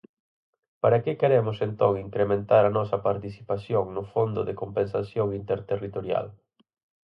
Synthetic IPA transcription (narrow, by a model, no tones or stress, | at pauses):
paɾakɪkeɾɛmʊsent̪oŋiŋkɾemẽnt̪aɾɐnɔsɐpaɾt̪isi̥pasjoŋnʊfond̪ʊ̰ðekompensasjoŋint̪eɾt̪erit̪oɾja̰l